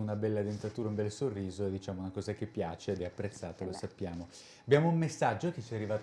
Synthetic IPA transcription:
unabɛlːad̪ent̪at̪uːɾaumbɛlsorːiːzoed̪ːit͡ʃaːmounakɔːzak̟epːjaːt͡ʃeːd̪ɛapːɾet̪sːaːt̪alosapːjaːmo | abjaːmoummesːad͡ʒːok̟et͡ʃːiɛarːivaːt̪

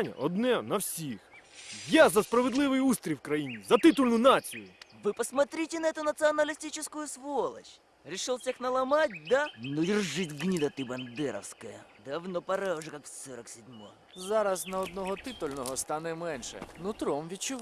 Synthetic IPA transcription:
nʲɐ̰ʔɔd̪nɛnɐwsʲixjazɐspɾɐʋed̪lˠɪʋɪjust̪ɾʲiwkɾɐjinʲizɐt̪ɪt̪ʊlʲnʊnat͡sʲijʊʋɨpɐsmɐt̪ɾʲitʲɪnɐɛt̪ʊnɐt̪sɨɐnɐlʲɪsʲtʲit͡ʃɪskʊjʊsʋolˠɐ̰t͡ʃ | ɾʲɪʂɪlˠfsʲixnɐlˠɐmatʲd̪anɔdʲɪrʐɪtʲɡnʲid̪ɐt̪ɨbɐnd̪ɛɾɐ̰wskɐjɐd̪ɐwnɔpɐɾɛʊʐɛkaksɔɾɐksʲɪdʲmɔ̰ | zɑɾɐsnɐɔd̪nɔɦɔt̪ɪt̪ʊlʲnɔɦɔst̪anɛmɛnʃɛ̰nʊt̪ɾɔmʋʲit̚t͡ʃʊʋ

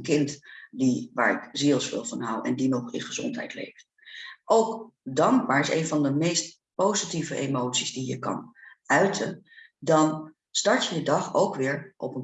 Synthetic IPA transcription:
kɪntdiʋa̰ːɹɪ̰kzilˠsfɪ̰lˠvɑnɦawɛ̰ndinɔχɪ̰nχəzɔ̰ntɦɛ̰jtlḛjft | ʔowkdɑŋɡ̚baːɹɪsḛjnvɑndəmejst̚ | powzitivəʔemowtsizdijəkɑ̰nœɥtʰəndɑn | stɑɹtjədədɑχowkʋɪːɹʔɔpən

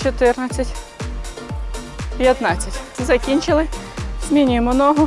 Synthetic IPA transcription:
t͡ʃɔt̪ɪrnɐt͡sʲːɐtʲ | pʲjɐt̪nɑt͡sʲːɐtʲzɐkʲinʲt͡ʃɪlˠɪmʲinʲijmʊnɔɦɔ

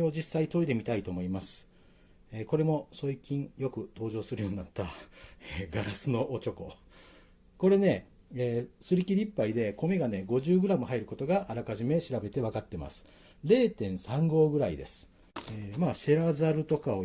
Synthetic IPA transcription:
o̞d͡ʑisːait̪o̞id̪e̞mʲit̪ait̪o̞ːmo̞imasɨ̥ | eːko̞ɾe̞mo̞so̞ikʲĩɴjo̞kɯ̟t̪o̞ːʑo̞ːsɨɾɯ̟jo̞ːɲinat̪ːaeɡaɾasɨno̞ʔot͡ɕo̞ko̞̰ | ko̞ɾe̞ne̞ | eːsɨɾʲikʲiɾʲipːaid̪e̞ko̞me̞ɡane̞ɡo̞ʑɨːɡɯ̟ɾamɯ̟ɦaiɾɯ̟ko̞t̪o̞ɡaʔaɾakaʑime̞ɕiɾabe̞t̪e̞β̞akat̪ːe̞ma̰sɨ̥ | ɾe̞ːt̪ẽ̞ɰ̃sãŋɡo̞ːɡɯ̟ɾaid̪e̞̰sɨ̥ | eːmaːɕe̞ɾazaɾɯ̟t̪o̞kao

